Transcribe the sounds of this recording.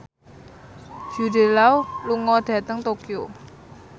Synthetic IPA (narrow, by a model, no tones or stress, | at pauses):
d͡ʒ̥ude̤lawluŋɔɖ̥ä̤t̪əŋt̪okio